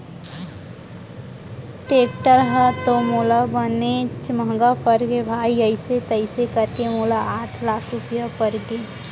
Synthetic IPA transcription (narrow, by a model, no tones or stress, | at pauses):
ʈeːʈəɾɦət̪omoːlabənet͡ʃməɡapəɾɡebʱaːiəɪset̪əɪsekəɾkemolaaːʈʰlaːkʰɾʊpjapəɾɡe